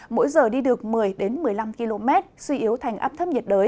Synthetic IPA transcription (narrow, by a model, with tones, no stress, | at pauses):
mo̰˧˥jzəː˨˩ɗi˧ɗɨ˨˩ək̚mɨ˨˩əjɗe˨˦nmɨ˨˩əjla˧mki˧lo˧mɛ˦˥t̚swi˧ʔi˨˦əwt̪ʰa˨˩ŋ̟ʔaː˦˥pt̪ʰə˦˥p̚ɲi˨˩t̚ɗəː˨˦j